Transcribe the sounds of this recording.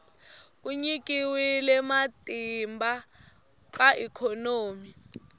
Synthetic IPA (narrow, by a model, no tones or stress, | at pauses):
kuɲik̬ʼiwilɛmatʼimba | k̬ʼaʔikʰɔnoːmi